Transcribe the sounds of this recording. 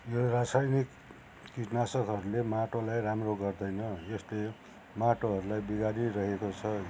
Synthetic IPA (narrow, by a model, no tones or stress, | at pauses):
jorasajnikː | iʈnasʌkɦʌɾulemaʈolajramroɡʌrd̪ʌjnʌjʌsle | maʈoɦʌɾulajbiɡaɾirʌɦekot͡sʰʌ